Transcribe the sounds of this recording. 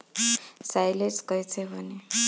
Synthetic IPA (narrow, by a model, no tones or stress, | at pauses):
sajleskʌjt͡sʰebʱʌne